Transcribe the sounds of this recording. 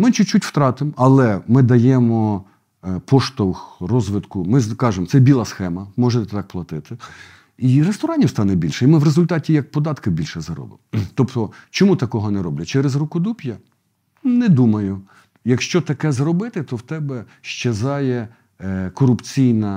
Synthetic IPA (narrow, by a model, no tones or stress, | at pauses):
mɪt͡ʃʊt͡ʃːutʲw̥t̪ɾɑt̪ɪmɐlˠɛmɪd̪ɐjɛmɔ | pɔʃt̪ɔwxrɔzʋɪd̪kʊmɪkɑʒemɔsɛbʲilˠɑsxɛmɐmɔʒet̪t̪t̪ɑk̚plˠɐt̪ɪt̪ɪ | irest̪ɔɾɑnʲiwst̪ɑnɛbʲilʲʃɛimɪʋrezʊlʲt̪ɑtʲijɐk̚pɔd̪ɑt̪kɪbʲilʲʃɛzɐɾɔ̰bɪ̰mɔt̪ɔpt̪ɔt͡ʃɔmut̪ɐkɔɦɔnɛɾɔblʲɐt͡ʃɛɾezrʊkʊd̪upʲjɐ | nɛd̪umɐjʊ | jɐkʃt͡ʃɔt̪ɐkɛzɾɔbɪt̪ɪt̪ɔwt̪ɛbɛ | ʃt͡ʃezɑjɛ | kɔɾʊpt͡sʲijnɐ